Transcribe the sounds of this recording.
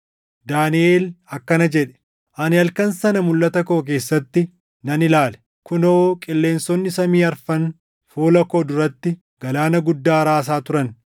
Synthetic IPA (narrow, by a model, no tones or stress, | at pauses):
d̪aːnɪe̞ːlɐkːɐnɐd͡ʒɛᶑɛ̥ | ʔɐnɪɐlkɐnsɐnɐmʊlːɐt̪ɐkoːk̬e̞ːsːɐt̪ːɪ | nɐnɪlaːlɛ̥ | kʊnoːkʼɪlːe̞ːnsɔnːɪsɐmiːɐɾfɐn | fuːlɐkoːd̪ʊɾɐt̪ːɪ | ɡ̥ɐlaːnɐɡʊd̪ːaːɾaːs̬aːt̪ʊɾɐn